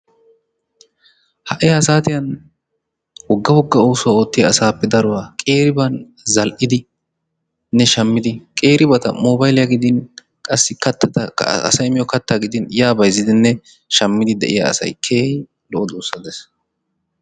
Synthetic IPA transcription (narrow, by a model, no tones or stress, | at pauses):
hɐʔɪjaːsaːt̪ɪjɐn | wɔɡːɐwɔɡːɐoːsʊwao̞ːt̪ːɪjɐːsaːpːɛd̪ɐɾʊwaːkʼe̞ːɾɪbɐn | zɐlʔɪd̪ɪ | nːɛʃɐmːɪd̪ɪkʼeːɾɪbɐt̪ɐ̰mɔːbɐjlɪjɐɡɪd̪ɪn | kʼɐsːɪkɐt̪ːɐt̪ɐɐ̰sɐjɪmɪjɔkɐt̪ːaːɡɪd̪ɪnjaːbɐjzːɪd̪ɪnːɛ | ʃɐmːɪd̪ɪd̪ɛ̰ʔɪ̰ja̰ːsɐ̰jkʰeː | lɔʔɔd̪uːsːɐd̪ɛs